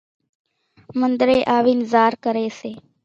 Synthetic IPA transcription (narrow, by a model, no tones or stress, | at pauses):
mənd̪ɾeːʔaːʋiːnzaːɾkəɾeːseː